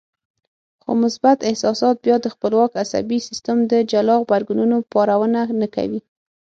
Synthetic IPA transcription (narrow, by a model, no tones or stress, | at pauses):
xo̰mʊsbat̪ɪhsɑsɑt̪̚bjɑd̪əxpəlwɑkasa̰bisist̪əmd̪əd͡ʒalɑɣbaɾɡununopɑɾawənanaka̰wi